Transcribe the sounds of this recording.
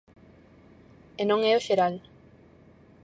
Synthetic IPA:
enõŋɛoʃeɾal

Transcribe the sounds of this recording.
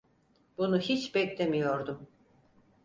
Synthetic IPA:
bunuhit͡ʃbɛclʲemijo̞ɾd̪um

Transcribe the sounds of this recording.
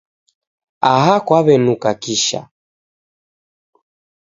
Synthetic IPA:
aɦakwaβɛnukakiʃa̰

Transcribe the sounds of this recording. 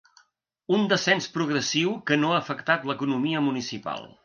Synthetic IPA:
und̪əsɛnspɾuɣɾəsiwkənoaːfəkt̪at̪ləkunumiəmunisipa̰lˠ

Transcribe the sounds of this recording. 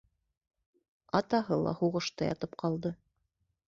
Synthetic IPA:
ɑt̪ɑɦɤlˠɑ̰huʁɤ̆ʃt̪ɤjɑ̰t̪ɤp̚qʰɑlˠd̪ɤ

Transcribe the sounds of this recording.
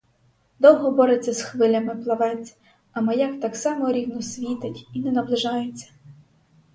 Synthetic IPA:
d̪ɔwɦɔbɔɾet͡sʲːɐsxʋɪlʲɐmɪplˠɐʋɛt͡sʲ | ɐmɐjakt̪ɑksɑmɔɾʲiwnʊsʲʋʲit̪ɪtʲinɛnɐblˠɪʒɑjet͡sʲːɐ̥

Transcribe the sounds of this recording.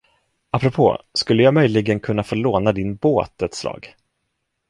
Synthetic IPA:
apːɾɔpʰo̰ːskɵlːəjɑːmœjlɪɡənkʰɵnːafoːɭoːnad̪ɪnboːt̪ɛt̪slɑ̰ːɡ

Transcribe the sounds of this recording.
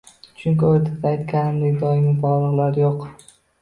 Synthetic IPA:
t͡ʃʰʊŋkʲɪoɾt̪ʰad̪aajt̪kʲʰanɪmd̪eɡʲd̪ɒjɪmʲɪbɒʁlˠɨʁlˠaɾjoq

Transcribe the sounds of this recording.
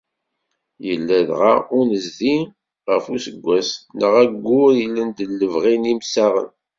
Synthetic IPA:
jəlːæðʁaʊnəzði | ʁəfusəɡʷːæsnəʁæɡːʊɾjəlːənd̪əlːəvʁinimsaʁə̰n

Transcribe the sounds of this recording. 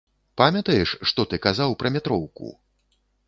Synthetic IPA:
pamʲɐt̪ɐjɛʂʂt̪ɔt̪ɨkazawpɾɐmʲɛt̪ɾɔwkṵ

